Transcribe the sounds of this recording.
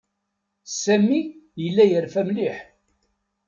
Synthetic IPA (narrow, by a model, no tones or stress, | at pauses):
sæmːijəlːæjəɾfæmliħ